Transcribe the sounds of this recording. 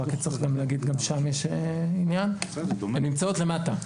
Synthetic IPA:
akit͡sʁiχɡamleɡid̪ɡamʃamjɛʃeinjanemnimt͡sao̞t̪le̞mat̪a

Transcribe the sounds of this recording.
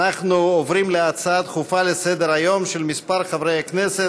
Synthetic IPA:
aχnuovʁimleat͡saat̪χufalesed̪eɾajo̞mʃelmispaɾχavʁejaknese

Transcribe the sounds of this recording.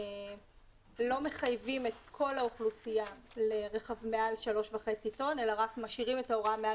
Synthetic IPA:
lo̞me̞χajvimetkʰo̞lauχlusijaleʁeχavmealʃalo̞ʃvaχe̞t͡sito̞nelaʁakmaʃiʁime̞taoʁamea

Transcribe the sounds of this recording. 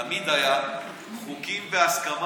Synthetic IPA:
mid̪aja | χukimveaskam

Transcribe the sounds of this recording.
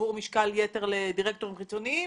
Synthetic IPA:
uʁmiʃkaljete̞ʁlediʁek̚t̪o̞ʁimχit͡so̞nii

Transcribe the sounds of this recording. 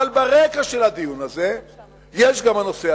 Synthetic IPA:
albaʁekaʃe̞lad̪ijunaze̞ | jeʃɡamhano̞sea

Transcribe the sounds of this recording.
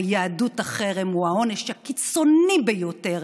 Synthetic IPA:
jaadutaχeʁemuaoneʃhakit͡so̞nibejoteʁ

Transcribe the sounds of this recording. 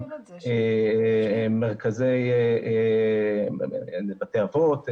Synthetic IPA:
e | meʁkazej | bat̪eavot̪

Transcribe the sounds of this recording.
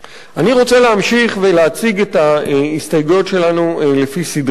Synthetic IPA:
aniʁo̞t͡seleamʃiχve̞leat͡siɡetaistajɡujotʃe̞lanulefisid

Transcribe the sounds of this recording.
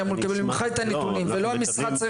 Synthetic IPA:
amulekabelmimχajt̪anet̪unimvelohamisχat͡s

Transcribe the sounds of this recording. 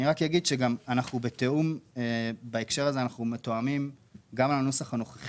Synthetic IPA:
niʁakjaɡid̪ʃeɡamanaχnube̞t̪e̞umebaekʃe̞ʁaze̞anaχnume̞t̪oamimɡamlanosaχano̞χeχ

